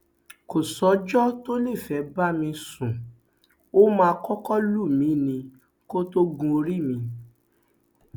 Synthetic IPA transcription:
ko˨sɔ˨˦d͡ʒɔ˦to˦nĩ˦˨fɛ˨˦ba˦mĩ˧sũ˨ | o˦mãː˧kɔ˦kɔ˦lu˦˨mĩ˨˦nĩ˧ | ko˦to˦ɡũ˧o˧ɾi˦˨mĩ˧

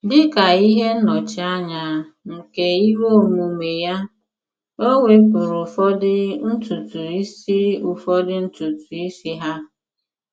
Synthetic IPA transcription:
dɪ˦ka˨i˦ɦe˦nɔ˨t͡ʃɪ˨a˦ɲa˨ŋ̩˨ke˨i˦wo˦mu˨me˨ja˦ | o˦ŋʷe˦pʊ˨ɾʊ˨fɔ˦dɪ˦n̩˦tu˨tu˨i˦si˦u˨fɔ˦dɪ˦n̩˦tu˨tu˨i˦si˦ɦa˦

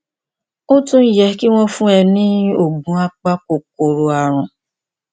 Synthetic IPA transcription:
o˦tũ˦n̩˦jɛ˨ki˦w̃ɔ̃˦fũ˦ɛ˧nĩ˦o˨ɡ͡bũ˨˦a˦k͡pa˦ko˨ko˨ɾo˨a˨ɾ̃ʊ̃˨

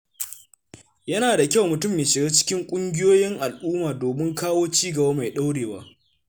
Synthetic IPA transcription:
jɐ˦naː˨da˨kʲa˦wmʊ˨tʊ˦˨mjeː˨ʃɪ˨ɡaː˦t͡ʃɪ̥˦kʲɪ˦ŋkʷʼʊ˦ŋɡʲɪ˦joː˦jɪ˦ŋʔa˨lʔuː˦maː˨doː˨mɪ˦ŋkaː˦woː˦t͡ʃiː˦ɡɐ˨baː˦ma˨jɗa˦wɽeː˨wa̰ː˦

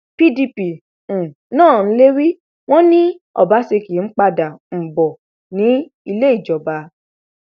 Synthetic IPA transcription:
pi˦di˧pĩ˨ | nãː˦˨n̩˦le˦ɾi˦ | w̃ɔ̃˦nĩ˦ɔ̰˦˨ba˨˦se˧ki˨˦n̩˦k͡pa˧da˨m̩˨bɔ˨ | nĩ˨˦ | i˧le˦i˦˨d͡ʒɔ˨ba˧˦

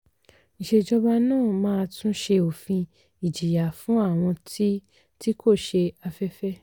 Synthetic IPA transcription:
ĩ˨ʃe˧d͡ʒɔ˦ba˦nãː˦˨mãː˦˧tũ˦ʃe˧o˨fĩ˧ | i˨d͡ʒi˨ja˨fũ˨˦a˦˨w̃ɔ̃˧ti˦ | ti˦kʰo˦˨ʃe˧a˧fɛ˦fɛ˦

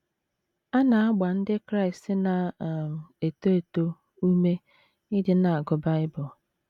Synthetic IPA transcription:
a˦na˨a˦ɡ͡ba˨n̩˦dɪ˦kɾa˦ɪ˨stɪ˦na˨m˨e˨to˦e˨to˦ | u˦me˦ | ɪ˦dɪ˦na˨a˨ɡʊ˨˦ba˦ɪ˦bʊ˨

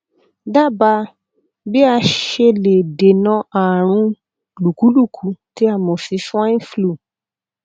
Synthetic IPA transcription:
da˦˨ba˧ | bi˦a˧ʃe˧le˨de˨nã˧˦ʔa˨ɾ̃ũ˧ | lu˨ku˨˦lu˦˨kʰu˨˦ti˨˦a˦˨mɔ̃˨fi˨˧˦fũ˦ã˦ĩ˦flu˦˨

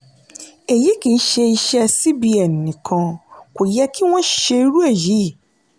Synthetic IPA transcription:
e˨ji˨˦kĩ˨n̩˦ʃe˧i˧ʃɛ˦a˧si˦bi˦a˨nː˨ĩ˨kʰã˧ko˨jɛ˦ki˦w̃ɔ̃˦ʃe˧i˦ɾu˦e˦˨ji˨˦˨

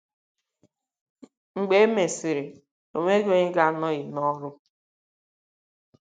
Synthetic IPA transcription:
ŋ̩˨ɡ͡be˦e˦me˨si˨ɾi˨ | o˨ŋʷe˦ɡo˦ɲɪ˦ɡa˦nɔ˦ɣi˨nɔ˦ɾʊ˦

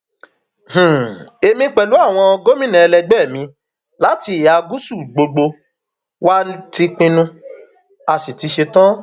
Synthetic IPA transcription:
h̩˨e˧mĩ˧k͡pɛ˨lu˨˦a˦˨w̃ɔ̃˧ɔ˧ɡo˦mĩ˦nɛ̃˨ɛ˧lɛ˧ɡ͡bɛ˦˨mĩ˧ | la˦ti˧i˨ja˨˧ɡu˦su˦˨ɡ͡bo˧ɡ͡bo˧ | wa˦ti˧k͡pĩ˧nũ˧ | a˧si˨ti˧ʃe˧tã˦

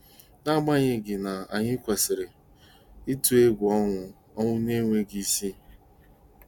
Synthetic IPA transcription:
na˦ɡ͡ba˦ɲɪ˦ɡɪ˨na˨a˨ɲɪ˦kʷe˨sɪ˨ɾɪ˨ | i˦tu˦e˦ɡʷʊ˨ɔ˦ŋʊ˦ | ɔ˦ŋʷʊ˦ne˦ŋʷe˦ɡi˦si˦

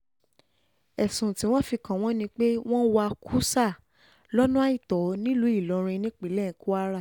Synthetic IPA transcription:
ɛ˨sũ˨ti˨˦w̃ɔ̃˦fi˧kã˨˦w̃ɔ̃˦nĩ˧k͡pe˦w̃ɔ̃˦wa˧kʰu˦sa˦˨ | lɔ˦nũ˦a˦i˦˨tɔ˨˦nĩ˦lu˨˦i˦˨lɔ˨˧ɾ̃ĩ˧nĩ˦k͡pi˨˦lɛ˦˨˦ku˦a˦ɾa˦˨

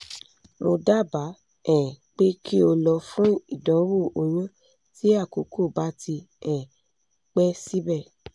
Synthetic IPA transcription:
mo˧da˦˨ba˨˦ | ɛ̃˨k͡pe˦kʰi˦o˧lɔ˧fũ˦i˦˨dɔ̃˨˦wo˦˨o˧j̃ã˦ | ti˦a˦˨ko˨˦kʰo˦˨ba˨˦ti˧ | ɛ̃˨ | k͡pɛ˦si˦bɛ˦˨

